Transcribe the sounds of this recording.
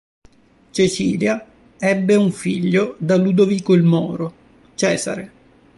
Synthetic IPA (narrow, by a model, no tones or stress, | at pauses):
t͡ʃet͡ʃḭːlja | ɛbːeuɱfiʎːod̪alud̪oviːkoilmɔ̰ːɾo | t͡ʃɛːza̰ɾe